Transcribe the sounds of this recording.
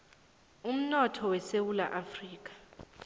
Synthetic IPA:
um̩nɔtʰɔwɛsewula̰ʔafriːk̬ʼḁ

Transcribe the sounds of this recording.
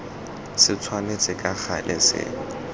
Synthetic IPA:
sɪt͡sʰwanet͡sʼɪkʼak͡xalɪ̰sɪ̰

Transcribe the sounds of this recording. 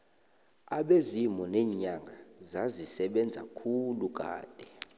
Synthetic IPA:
aɓezimɔnɛːɲaŋɡʱazazisɛɓɛnd͡zʱakʰuluk̬ʼa̰ːd̥ʱɛ

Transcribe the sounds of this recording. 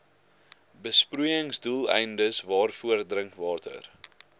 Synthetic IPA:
bəspruəjəŋsdulˠɛ̰jndəsvɑːrfuərdrəŋkvɑːtʰə̰r

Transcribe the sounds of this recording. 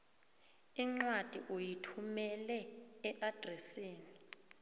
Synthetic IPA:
iŋ͡ǀwad̥ʱḭʔujitʰumɛlɛːʔad̥ʱrɛsiːni

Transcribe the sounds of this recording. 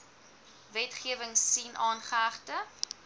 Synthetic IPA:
vɛtχiəvəŋsinʔɑːnχəæχtə

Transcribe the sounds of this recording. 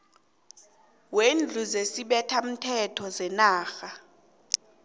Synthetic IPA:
wend͡ɮʱuzesiɓɛtʰam̩tʰɛtʰɔzɛnaːxa

